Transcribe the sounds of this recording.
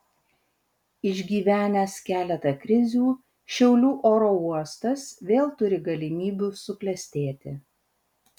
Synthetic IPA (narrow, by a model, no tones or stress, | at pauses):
ɪʒʲɡʲiːʋʲæːnʲɛskʲæːlʲɛt̪ɐkɾʲɪzʲuː | ʃʲɛʊlʲuːʔoːɾoːuɔst̪ɐsʋʲeːlˠt̪ʊɾʲɪɡɐlʲɪmʲiːbʲuːsʊklʲɛsʲt̪ʲeːt̪ʲɪ